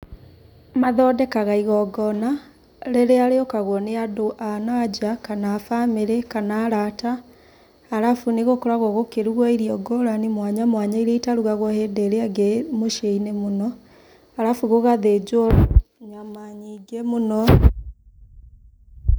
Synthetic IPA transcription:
maðɔdɛkaɣaiɣɔɡɔna | ɾeɾeaɾeokaɣwɔneadoʔanaad͡ʑakanaːfameɾekanaːɾataː | ɾafuneɣokoɾaɣwoɣokeɾuɣɔiɾiɔɡɔɾanemwaɲamwaɲaiɾeitaɾuɣaɣwɔhedeɾeaɡemoʃeinemonɔ | aɾafuɣoɣaðed͡ʑɔɲamaɲiɡemonɔ

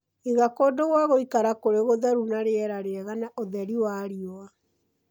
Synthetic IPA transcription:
eɣakodoɣwaɣoikaɾakoɾeɣoðaɾunaɾeɛɾaɾeɛɣanaʔoðɛɾiwaɾiɔa

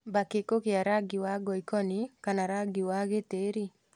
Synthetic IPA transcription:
bakekokɪaɾaɡiwaɡɔikɔnikanaɾaɡiwaɣeteɾi

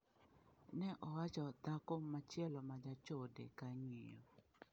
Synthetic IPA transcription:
nɛʔɔwat͡ʃɔt̪akomːat͡ʃjɛlɔmad͡ʒat͡ʃodḛkaɲijɔ̰

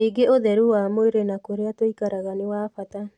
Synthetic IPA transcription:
eɡeoðɛɾuwaːmoeɾenakoɾeatoikaɾaɣanewaːfata

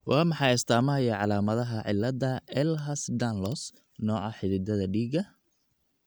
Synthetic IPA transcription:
wɑːmɑħɑjɪst̪ʰaːmɐɐjɐʕɑlaːmɐðɐɦɐʕɪ̰lːɐd̪ɐɛlɦɐsd̪anlɔs | nɔːʔɐħɪðɪd̪ɐðɐɖiːɡɐ

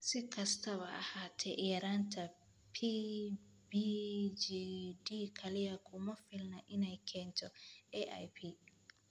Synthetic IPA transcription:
sɪkʰɐst̪ʰɐβɐʔɐ̰haːt̪ʰɛ̰ʔɪjɐɾaːnt̪ʰɐ | pʰi | bid͡ʒidiːkʰɐlɪjɐkʰʊmɐfɪlnɐʔɪnɛjkʰɛːnt̪ʰɔɛʔa̰jpʰi

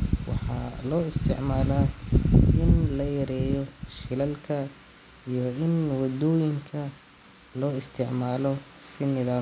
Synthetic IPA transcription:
wɑ̰ħɑ̰lɔːɪst̪ʰɪ̰ʕmaːlaː | ɪnlɐjɐɾɛːjɔʃɪlɐlkʰɐ | ijɔɪnwɑd̪ɔːjɪŋkʰɐ | lɔːɪst̪ʰɪʕmaːlɔsɪnɪðaː

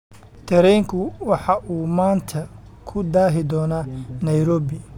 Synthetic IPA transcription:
t̪ʰɛɾɛjŋkʰʊwɑħɑʔuːmaːnt̪ʰɐ | kʰʊd̪aːɦɪd̪ɔːnaːnɐjɾɔːbɪ

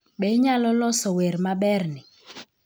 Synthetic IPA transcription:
ɓɛɲalɔlɔsɔweɾmaɓɛrnɪ

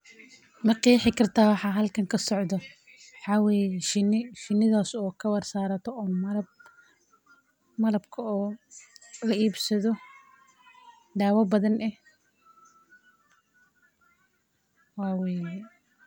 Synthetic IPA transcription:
mɐqijħɪkʰɐrt̪ʰaːwɑħɑːɦɐlkʰɐŋkʰɐsɔʕd̪ɔ | wħɑːwɛːjɛʃɪnɪʃɪnːɪðaːsɔːkʰɐwɐrsaːɾɐt̪ʰɔɔːmɐlɐb | mɐlɐbkʰɐɔː | lɐʔiːbsɐðɔ | d̪aːwɐbɐðɐnʔɛh | waːwɛːjɛ

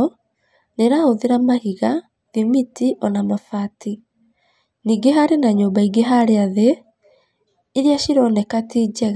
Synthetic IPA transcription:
neɾahoðeɾamahiɣa | ðimitiʔɔnamafati | niːɡeɦaɾenaɲoːmbaiɡeɦaɾeaðe | ɾjaʃiɾɔnɛkatid͡ʒɛɣ

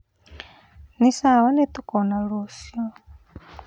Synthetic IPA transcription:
nisawɔnɛt̪ʼukʼɔnaɺosiɔ

